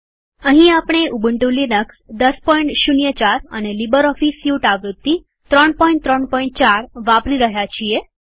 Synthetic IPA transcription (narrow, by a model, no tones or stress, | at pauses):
əɦĩapɳ̃eubəɳʈulinəksd̪əspɔĩɳʈʃunjət͡ʃaɾə̰nelibəɾɔfisjuʈaʋɾut̪ːi | t̪ɾəɳpɔĩɳʈt̪ɾəɳpɔ̃iɳʈ̚t͡ʃaɾʋapɾiɾəɦjat͡ʃʰie